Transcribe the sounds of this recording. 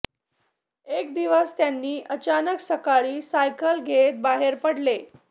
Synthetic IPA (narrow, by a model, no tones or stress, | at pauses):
ekd̪iʋəst̪janːiːʔət͡ɕanəksəkaɭiːsajkəlɡʱet̪̚baɦeɾpəɽle